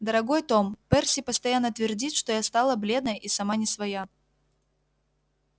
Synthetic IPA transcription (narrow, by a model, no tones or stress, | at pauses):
d̪əɾɐɡojt̪o̞mpɛrsʲɪpəst̪ɐjanːət̪vʲɪrdʲit̪ʂt̪ojast̪alˠəblʲe̞d̪nəjʔisɐmanʲɪsvɐja